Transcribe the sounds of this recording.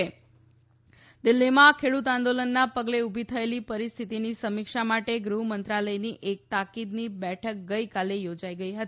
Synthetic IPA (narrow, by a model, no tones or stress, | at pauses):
e | d̪ɪlːimãːkʰeɽut̪ãnd̪olənːapəɡleubʱit̪ʰəelipəɾist̪ʰit̪inisəmikʃamaʈeɡɾuɦmənt̪ɾaləjniʔek̚t̪akid̪nibɛʈʰək̚ɡəikalejod͡ʒaiɡəiɦət̪i